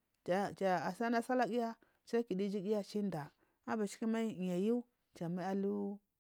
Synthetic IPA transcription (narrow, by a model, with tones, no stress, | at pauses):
t͡ʃa˨t͡ʃa˨a˨sa˦na˦sa˦la˦ɡi˦ja˦ | sa˦i˦ki˨di˦d͡ʒi˦ɡi˦ja˦t͡ʃi˦nda˨ | a˦ba˨t͡ʃi̥˦ki˦ma˦i˦˨ɲa˨ju˦ | t͡ʃa˨ma˦a˦lu˦